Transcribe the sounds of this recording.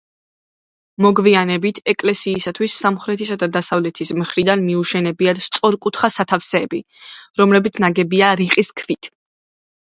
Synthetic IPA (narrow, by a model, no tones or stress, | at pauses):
mɔɡvianɛbit̪ʰɛkʼlɛsiːsat̪ʰwisːamχɾɛt̪ʰisad̪ad̪asavlɛt̪ʰismχɾid̪anmiuʃɛnɛbiad̪st̪sʼɔɾkʼut̪ʰχasat̪ʰafsɛːbi | ɾɔmlɛbit̪sʰnaɡɛbiaɾiqʼiskʰvit̪ʰ